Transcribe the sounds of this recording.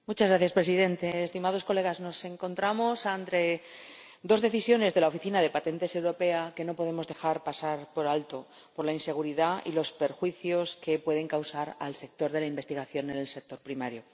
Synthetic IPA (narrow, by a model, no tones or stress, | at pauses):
mut͡ʃazɣɾaθjaspɾe̞siðe̞nt̪e̞ːst̪imað̞o̞sko̞le̞ɣ̞azno̞se̞ŋko̞nt̪ɾamo̞sant̪ɾe̞ | d̪o̞zðe̞θisjo̞ne̞zðelao̞fiθinaðe̞pat̪e̞nt̪e̞se̞wɾo̞pe̞ake̞no̞po̞ð̞e̞mo̞zðe̞xaɾpasaɾpo̞ɾalt̪o̞ | po̞ɾlainse̞ɣ̞uɾiðaḭlo̞spe̞ɾxwiθjo̞ske̞pwe̞ð̞e̞ŋkawsaɾa̰lse̞k̚t̪o̞ɾð̞e̞laimbe̞st̪iɣaθjo̞nenelse̞k̚t̪o̞ɾpɾimaɾjo̞